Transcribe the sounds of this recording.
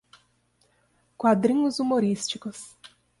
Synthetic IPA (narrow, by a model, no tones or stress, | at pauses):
kwad̪ɾĩɲʊzumoɾist͡ʃikʊs